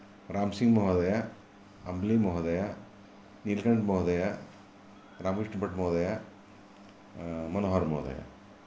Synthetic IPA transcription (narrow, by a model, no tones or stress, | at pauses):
ɾaːmsiŋɡmɔɦɔd̪ɐja | ɐmblimɔɦd̪ɐja | nilkɐɳɖmɔɦd̪ɐja | ɾaːmkɾiʂʈbɐʈmɔɦd̪ɐja | mɐnoɦɔɾmɔɦd̪ɐ̰ja̰